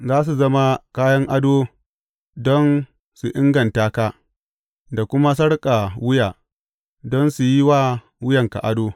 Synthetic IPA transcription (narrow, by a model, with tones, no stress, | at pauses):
zaː˦s̬u˨zɐ˦ma˦kaː˦jɐ˦ŋʔa˦doː˦ | dɔ˦n | su˨ʔɪ˦ŋɡɐ˨ntaː˦kaː˦ | da˨kʷʊ˦ma˦s̬ɐ˦ɽkʼa˨wʊ˦jaː˨ | dɔ˦nsu˨ji˦waː˦ | wʊ˦jɐ˨ŋka̰˨ʔa˦doː˦